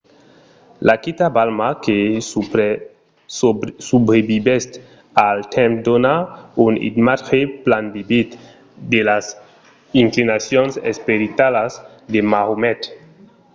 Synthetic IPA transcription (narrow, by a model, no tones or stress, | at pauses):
lakit̪abalmake | subɾebibɛst̪ | alt̪ʰɛ̃mpd̪onaunḭd̪matxeplanbibit̪ | d̪elas | iŋklinasjonsḛspeɾit̪alaz | d̪emaɣumɛt̪